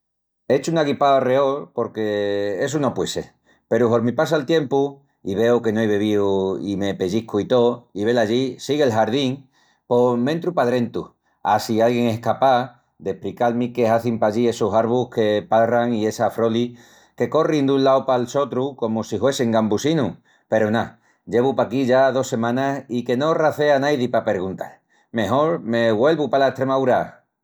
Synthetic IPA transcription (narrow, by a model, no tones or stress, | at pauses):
e̞t͡ʃunaɣipaðare̞o̞lpo̞ɾke̞e̞s̬uno̞pwe̞se̞̰ | pe̞ɾuɦo̞ɾmĩpas̬alt̪je̞mpu | iβe̞oke̞noajβe̞βiuḭme̞pe̞ʝihkuit̪o̞iβ̞e̞laʝisiɣelɦaɾð̞iŋ | po̞mẽnt̪ɾupaðɾe̞nt̪u | asialɣje̞ŋe̞kapa | d̪e̞hpɾikalmike̞aθimpaʎie̞sosaɾβuhke̞paraŋie̞safɾo̞li | ke̞ko̞rind̪unlaopalso̞t̪ɾuko̞mosihwe̞siŋɡambusinu | pe̞ɾona | ɟ͡ʝe̞βupakiʝaðo̞se̞mãnasike̞no̞raθe̞anajðipape̞ɾɣunt̪a̰l | mẽ̞ɦo̞ɾme̞ɣwe̞lβupalaeht̪ɾemauɾa